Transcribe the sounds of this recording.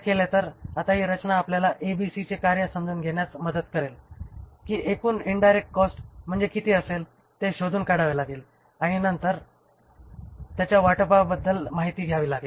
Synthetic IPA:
kelat̪əɾat̪aɦiːɾət͡ɕnaːpljalaʔebisit͡sekaɾjəsəmd͡zunɡʱeɳjat͡sməd̪ət̪kəɾelkiːʔekuːniɳɖajɾek̚ʈ̚kɔsʈm̤əɳd͡zekit̪ʰeːəsel | t̪eɕod̪ʱuːnkaɽaʋilaɡeːl | aɽ̃inənt̪əɾ | t̪jat͡ɕjaʋaʈəpabəd̪ʱːəlmaɦit̪iːɡʱjaʋiːlaɡeːl

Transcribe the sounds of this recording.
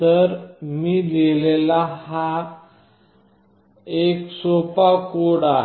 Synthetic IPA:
t̪əɾmiːdelelaha | eksopakoɽa

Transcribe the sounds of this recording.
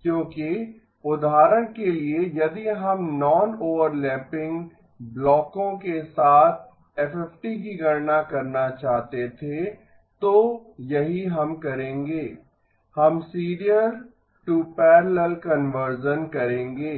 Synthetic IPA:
kjõːki | ʊd̪ʱaːɾəñkeliejɐd̪iɦɐmnɔːnoːʋəɾlɛ̃ːpɪ̃ŋɡ | blɔːkõkesaːt̪ʰ | ɛfɛfʈikiɡɐɾnakɐɾnat͡ʃaːɦt̪et̪ʰe | t̪ojɐɦiɦɐmkɐɾẽːŋɡeː | hɐmsiːɾijəɾ | ʈupɛːɾləlkɐnʋəɾʃənkɐɾẽːŋɡeː

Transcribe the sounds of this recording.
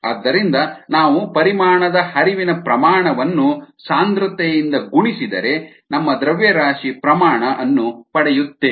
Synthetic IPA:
ɐ̰d̪ːɐɾind̪ɐnaːʋupɐɾimaːɳɐd̪ɐhɐɾiʋinɐpɾɐmaːɳɐʋɐnːusaːnd̪ɾɐt̪ɛjind̪ɐɡuɳisid̪ɐ̰ɾe̞ | nɐmːɐd̪ɾɐʋjɐɾaːʂipɾɐmaːɳɐʔɐnːupɐɽɛjut̪ːe

